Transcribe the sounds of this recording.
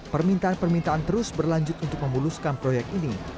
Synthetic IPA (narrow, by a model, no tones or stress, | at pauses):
pərmint̪aanpərmint̪aant̪əɾʊsbərlaɲd͡ʒʊt̪̚unt̪ʊk̚məmuluskanpɾojɛk̚t̪ini